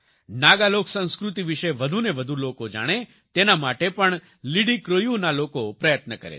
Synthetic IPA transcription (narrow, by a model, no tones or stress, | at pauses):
naɡaloksə̃ñskɾut̪iʋiʃeʋəd̪ʱuneʋəd̪ʱulokod͡ʒa̰ɽ̃e | t̪enamaʈepəɳ | liɽikɾojunalokopɾəjət̪nəkəɾḛ